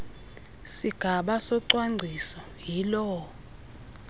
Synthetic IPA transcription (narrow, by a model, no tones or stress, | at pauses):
siɡ̥ʱaɓasɔǀwaŋ͡ǀʱisɔ | ɦilɔ